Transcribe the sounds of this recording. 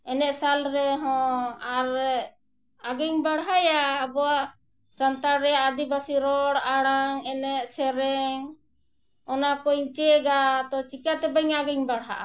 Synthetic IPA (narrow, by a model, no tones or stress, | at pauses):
ɛnɛʔsalɾɛɦɔ̃aɾ | aɡɛŋbaɽɦajaːbɔaʔ | sant̪aɾɾɛad̪ibasiɾɔɽaɽaŋɛnɛʔsɛɾɛŋ | ɔnapɔjɲt͡ʃɛɡat̪ɔt͡ʃikat̪ɛbəŋaɡɛŋbaɽɦa̰ʔa